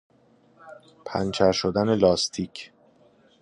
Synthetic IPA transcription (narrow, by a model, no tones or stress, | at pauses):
pʰæ̰nt͡ʃʰæɾʃod̪æne̞lɒːst̪ʰiːcʰ